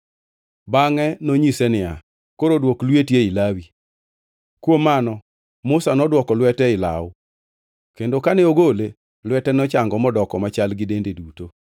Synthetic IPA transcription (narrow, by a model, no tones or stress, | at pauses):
baŋɛnoɲisɛnɪja | koɾodwoklwetjeilawi | kwomːanɔ | mʊsanɔdwɔkɔlwɛtɛɪla̰ʊ | kendokanɛoɡole | lwɛtɛnɔt͡ʃaŋɡɔmɔdɔkɔmat͡ʃalɡɪdendeduto